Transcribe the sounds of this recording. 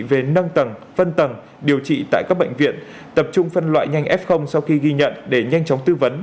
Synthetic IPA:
ve˨˩nə˧ŋt̪ə˨˩ŋ | fə˧nt̪ə˨˩ŋ | ɗi˨˩əwt͡ɕḭ˧˨t̪a̰ː˧˨jka˦˥k̚ɓə̰˧˨ŋ̟vḭ˧˨ən | t̪ə˨˩p̚t͡ɕʊ˧ŋ͡mfə˧nlwa̰ː˧˨jɲa˧jŋʔɛ˦˥p̚xə˧wŋ͡msa˧wxi˧ɣi˧ɲə̰˧˨nɗe˧˩ɲa˧jŋ̟t͡ɕɔ˨˦wŋ͡mt̪ɨ˧və˨˦n

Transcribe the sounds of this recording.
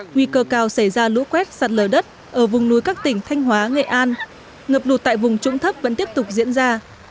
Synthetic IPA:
ŋwi˧kəː˧kaː˧˩wsa˧˩jzaː˧lṵ˧˥kwɛ˦˥t̚saː˨˩t̚ləː˨˩ɗə˦˥t̚ | ʔəː˧˩vʊ˨˩ŋ͡mnu˨˦jkaː˦˥k̚t̪ï˧˩ŋ̟t̪ʰa˧jŋ̟ɦwaː˨˦ŋḛ˧˨ʔaː˧n | ŋəː˨˩p̚lu˨˩t̚t̪a̰ː˧˨jvʊ˨˩ŋ͡mt͡ɕʊ̰˧˥ŋ͡mt̪ʰə˦˥p̚və̰˧˥nt̪i˦˥əp̚t̪ʊ˨˩k͡p̚zḭ˧˥ənzaː˧

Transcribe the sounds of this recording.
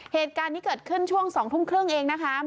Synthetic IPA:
heː˨˩t̪̚kaː˧nːiː˦˥kɤː˨˩t̪̚kʰɯ˥˩nt͡ɕʰu˥˩əŋsɔː˩˦ŋt̪ʰu˥˩mkʰɾɯ˥˩əŋʔeː˧ŋna˦˥kʰa˦˥

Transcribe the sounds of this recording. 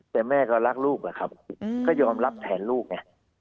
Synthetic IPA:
t̪ɛː˨˩mɛː˥˩kɔ˧˩ɾa˦˥k̚luː˥˩k̚la˨˩kʰa˦˥p̚kʰaː˥˩wjɔː˧mɾa˦˥p̚t̪ʰɛː˩˦nluː˥˩k̚ɲa˧˩

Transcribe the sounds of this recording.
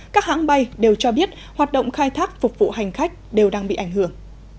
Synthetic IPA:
kaː˦˥k̚ha̰ː˧˥ŋɓa˧jɗe˨˩wt͡ɕɔ˧ɓi˦˥ət̚ | hwaː˨˩t̚ɗə̰˧˨wŋ͡mxaː˧jt̪ʰaː˦˥k̚fʊ˨˩k͡p̚vṵ˧˨ha˨˩jŋ̟xa˦˥jk̟̚ɗe˨˩wɗaː˧ŋɓḭ˧˨ʔa˧˩jŋ̟hɨ˧˩əŋ

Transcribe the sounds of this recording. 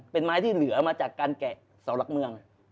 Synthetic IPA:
pe˧nmaː˧˥jt̪ʰiː˥˩lɯ˩˦ɐmaː˧t͡ɕaː˨˩kːaː˧nkɛ˨˩ʔ | sa˩˦wla˨˩k̚mɯ˧əŋ

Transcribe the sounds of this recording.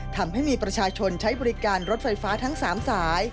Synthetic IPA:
t̪ʰa˧mɦa˥˩jmiː˧pɾa˧t͡ɕʰaː˧t͡ɕʰo˧nt͡ɕʰa˦˥jbɔː˧ɾi˦˥kaː˧nɾo˦˥t̪̚fa˧jfaː˦˥t̪ʰa˦˥ŋsaː˩˦msaː˩˦j

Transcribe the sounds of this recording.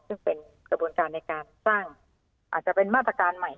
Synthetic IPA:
sɯ˥˩ŋpe˨˧n | kʰa˧buː˨˧˦nkaː˧nːa˧jkaː˧nsaː˥˩ŋ | ʔaː˨˩t̪̚t͡ɕa˧˩pe˧nmaː˥˩t̪ɾa˧kaː˧nma˨˩j

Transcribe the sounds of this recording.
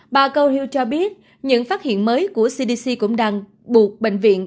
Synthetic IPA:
ɓaː˨˩kə˧whi˧wt͡ɕɔ˧ɓi˦˥ət̚ | ɲɨ̰˧˥ŋfaː˦˥t̚hḭ˧˨ənməː˨˦jku˧˩əsi˧ɗi˧si˧kʊ̰˧˥ŋ͡mɗaː˧ŋ | ɓu˨˩ət̚ɓḛ˧˨ŋ̟vḭ˧˨ən

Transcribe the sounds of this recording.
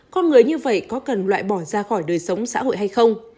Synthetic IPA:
kɔ˧nŋɨ˨˩əjɲɨ˧və̰˧˨jkɔ˨˦kə˨˩nlwa̰ː˧˨jɓɔ˧˩zaː˧xɔ˧˩jɗəː˨˩jsə˨˦wŋ͡msa̰ː˧˥ɦo̰˧˨jɦa˧jxə˧wŋ͡m

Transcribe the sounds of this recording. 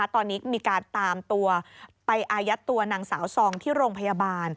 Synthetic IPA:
a˦˥t̪ɔː˧nːiː˦˥miː˧kaː˧nt̪aː˧mt̪u˧ɐpa˧jʔaː˧ja˦˥t̪ːu˧ɐnaː˧ŋsa̰ː˩˦wsɔː˧ŋt̪ʰiː˥˩ɾoː˧ŋpʰa˧jaː˧baː˧n

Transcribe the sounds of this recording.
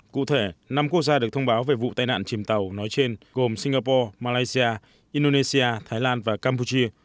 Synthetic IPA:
kṵ˧˨t̪ʰe˧˩na˧mku˦˥ək̚zaː˧ɨ˨˩k̚t̪ʰə˧wŋ͡mɓaː˨˦wve˨˩vṵ˧˨t̪aː˧jna̰ː˧˨nt͡ɕi˨˩əmt̪ə˨˩wnɔ˨˦jt͡ɕe˧nɣo˨˩msi˧ŋɣaː˧pɔ˧maː˧laː˧jsi˧aː˧ | ʔi˧nɗo˧ne˧si˧aː˧t̪ʰaː˨˦jlaː˧nvaː˨˩kaː˧mp̬u˧t͡ɕi˧ə

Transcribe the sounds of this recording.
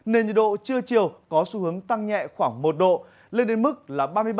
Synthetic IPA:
ne˧nɲə̰˨˩n̚ɗo̰˧˨t͡ɕɨ˧ət͡ɕi˨˩əwkɔ˨˦su˨˦hɦɨ˨˦əŋt̪a˧ŋɲɛ̰˧˨xwaː˧˩ŋmo˨˩t̚ɗo̰˧˨ | le˧nɗe˨˦nmɨ˦˥k̚laː˨˩ɓaː˧mɨ˧jɓ

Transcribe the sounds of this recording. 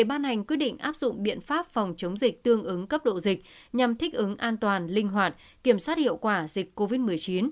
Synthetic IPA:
e˧˩ɓaː˧nha˨˩jŋ̟kwi˦˥ət̚ɗḭ˧˨ŋ̟ʔaː˦˥p̚zʊ̰˧˨ŋ͡mɓḭ˧˨ənfaː˦˥p̚fa˨˩wŋ͡mt͡ɕə˨˦wŋ͡mzï˨˩k̚t̪ɨ˧əŋʔɨ˨˦ŋkə˦˥p̚ɗo̰˧˨zï˨˩k̚ | ɲa˨˩mt̪ʰï˦˥k̟̚ʔɨ˨˦ŋʔaː˧nt̪waː˨˩nlï˧ŋ̟ɦwaː˨˩t̚ | ki˧˩əmswaː˦˥t̚hḭ˧˨əwkwaː˧˩zï˨˩k̚kːo˧vi˦˥t̚mɨ˨˩əjt͡ɕi˨˦n

